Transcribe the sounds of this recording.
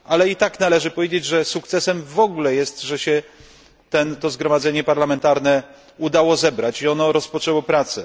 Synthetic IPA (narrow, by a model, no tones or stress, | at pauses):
alɛit̪aknalɛʐɘpɔvʲjed͡ʑed͡ʑʐɛsukt̪sɛsɛmvɔɡulɛjɛst̪ʐɛɕɛ | t̪ɛnt̪ɔzɡɾɔmad̪zɛɲɛpaɾlamɛnt̪aɾnɛ | ud̪awɔzɛbɾat͡ɕiɔnɔɾɔspɔt͡ʂɛwɔpɾat̪sɛ